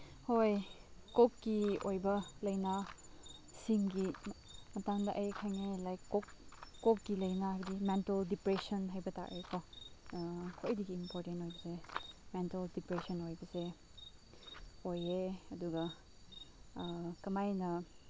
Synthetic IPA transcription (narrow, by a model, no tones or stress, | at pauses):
hojkokːiojbɐlɐjna | siŋɡi | mɐtaŋdɐʔɐjkʰajŋelajkːokːok̚ɡilɐjnabɐdimenteldipɾesɐnɦajbɐta̰k̚ekʰo | kʰojdiɡiːmpoɾtentojbɐsementeldipɾesɔnojbɐse | ojeɐduɡɐ | kɐmajnɐ